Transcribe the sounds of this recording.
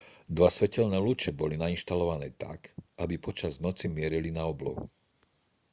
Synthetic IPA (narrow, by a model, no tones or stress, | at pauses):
d̪ʋasʋɛcɛʎnɛːlut͡ʃɛbɔlinainʃt̪alɔʋanɛːt̪a̰kʔabipɔt͡ʃaznɔt͡simɪɛɾilinaɔblɔ̰ɦṵ